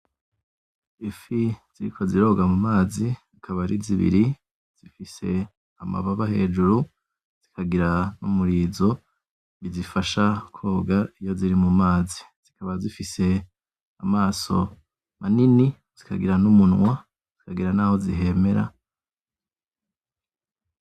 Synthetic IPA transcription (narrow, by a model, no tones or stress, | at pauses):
ifiz̥iɾḭkʰo̞ziɾo̞ːɡamumaːziakʰaβaɾiziβḭɾi | z̥ifise̞̰ | ama̰βaβahe̞̰ːd͡ʒuɾu | z̥ikʰaɡiɾanumuɾiːzo̞ | βizifaʃakʰo̞ːɡaijo̞ziɾimumaːzi | z̥ikaβazifise̞ | amaːso̞̰ | manini | z̥ika̰ɡiɾanumunŋwa | z̥ikʰaɡiɾanaːho̞ziɦe̞me̞ɾa̰